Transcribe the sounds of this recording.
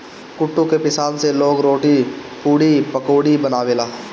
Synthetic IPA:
kʊʈːũkepɪsaːnseloːɡɾoːʈi | puːɽipəkoːɽibənaːʋeːlaː

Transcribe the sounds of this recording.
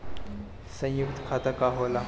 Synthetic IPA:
sɐ̃j̃jʊk̚t̪kʰaːt̪akaɦoːla

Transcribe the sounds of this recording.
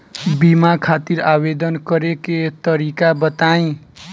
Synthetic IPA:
bimakʰat̪iɾabed̪ʌnkʌɾeket̪ʌɾikabʌt̪aj̃

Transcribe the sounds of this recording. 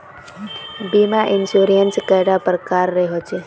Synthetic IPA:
bimaʔɪnsuɾijənskəjɾapɾəkaɾːeɦot͡ʃʰe

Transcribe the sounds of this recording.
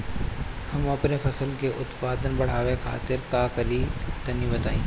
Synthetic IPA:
hɐmɐpnefɐsəlkeʔʊt̪paːd̪ənbɐɽ̤aːʋekʰa̰ːt̪ɪɾkakɐɾit̪ɐnibɐt̪aːĩː

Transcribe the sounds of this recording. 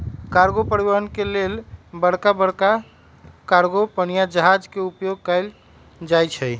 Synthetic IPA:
kaɾɡopəɾibəɦənkelelbəɽ̤kabəɽka | kaɾɡopənijad͡ʒəɦad͡ʒkeupjoɡ̚kəɪl | d͡ʒajt͡ʃʰəj

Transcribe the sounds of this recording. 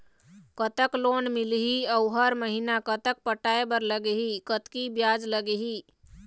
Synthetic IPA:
kət̪əkloːnmilɦiəwɦəɾməɦinakət̪ək̚pəʈaebəɾləɡeɦikət̪kibjaːd͡ʒləɡeɦi

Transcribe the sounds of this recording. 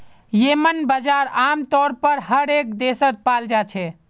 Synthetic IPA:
jemənbəd͡ʒaɾamt̪ɔɾpəɾɦəɾek̚d̪esət̪̚pald͡ʒat͡ʃʰɛ

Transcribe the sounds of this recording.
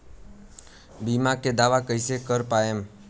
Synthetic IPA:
bimãked̪aʋakəisekəɾpajem

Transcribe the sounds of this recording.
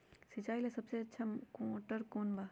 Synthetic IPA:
sɪt͡ʃaːilesɐbseɐtːʃʰamkoʈəɾkoːnba

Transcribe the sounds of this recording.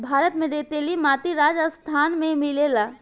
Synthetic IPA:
bʱaːɾət̪mẽd̪eːt̪elimaːt̪iɾaːd͡ʒəst̪ʰaːnmẽmɪlelaː

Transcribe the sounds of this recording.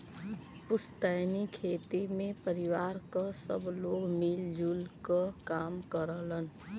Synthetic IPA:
pʊst̪aːnikʰeːt̪imẽpəɾɪwaːɾkasə̰bloːɡmild͡ʒuːlkakaːmkəɾələn

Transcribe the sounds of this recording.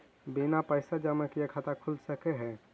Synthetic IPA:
binapəɪsad͡ʒəmakiekʰat̪akʰulsəkeɦɛ̃ː

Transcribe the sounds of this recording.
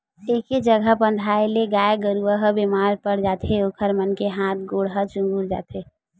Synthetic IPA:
eːked͡ʒəɡʱəbə̃nd̪ʱaːeleɡaːeɡəɾuəɦəbemaːɾpəɾd͡ʒaːt̪ʰeokʰəɾmənkeɦãːt̪̚ʰɡoːɽɦət͡ʃũŋɡuɾd͡ʒa̰ːt̪ʰe

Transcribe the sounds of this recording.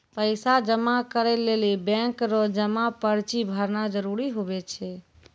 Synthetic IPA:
pəɪsad͡ʒəmakəɾɛlelibɛ̃ŋkɾɔd͡ʒəmapəɾt͡ʃibʱəɾnad͡ʒəɾuɾiɦobɛt͡ʃʰɛ

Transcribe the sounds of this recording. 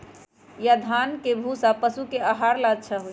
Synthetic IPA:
jad̪ʱankebʱusapəsukeəɦaɾlad̪̚t͡ʃʰəɦoj

